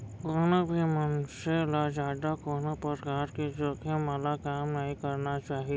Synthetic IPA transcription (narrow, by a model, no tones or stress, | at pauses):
koːnəbʱimənselad͡ʒaːɖ̪akoːnapəɾkaːɾked͡ʒoːkʰemɐlakaːmnɐɦĩkɐɾnat͡ʃaːɦi